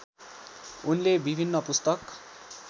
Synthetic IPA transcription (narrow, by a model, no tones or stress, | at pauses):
unlebibʱinːʌpust̪ʌk